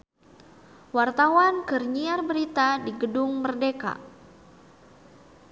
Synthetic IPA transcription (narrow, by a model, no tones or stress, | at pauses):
wart̪awankərɲiarbəɾit̪adiɡədʊŋmərdeka̰